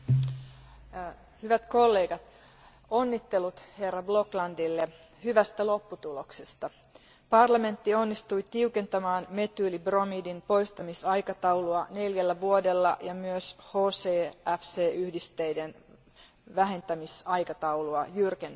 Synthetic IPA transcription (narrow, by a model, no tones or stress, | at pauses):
hyʋæt̪ko̞lːe̞ːɡɑt̪ | o̞nːit̪ːe̞lut̪he̞rːɑblo̞klɑndilːe | hyʋæst̪ælo̞pːut̪ulo̞ksest̪ɑ | pɑrlɑme̞nt̪ːio̞nːist̪ujt̪iuke̞nt̪ɑmɑːnme̞t̪yːlibro̞midinpo̞jst̪ɑmisɑjkɑt̪ɑwluɑne̞ljælːæʋuode̞lːɑ̰jɑmyøshoːseːæfseːʔyhdist̪e̞jden | ʋæɦe̞nt̪æmisɑjkɑt̪ɑuluɑjyrken